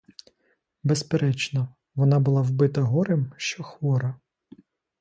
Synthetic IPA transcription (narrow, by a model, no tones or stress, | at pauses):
bespeɾɛt͡ʃnɔ | ʋɔnɑbʊlˠɑwbɪt̪ɐɦɔɾɪmʃt͡ʃɔxʋɔɾɐ